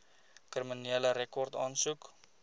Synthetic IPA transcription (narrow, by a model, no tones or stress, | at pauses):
kriminiələɾekɔrtɑːnsuk